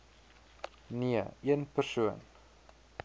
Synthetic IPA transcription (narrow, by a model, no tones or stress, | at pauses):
niəiənpərsuən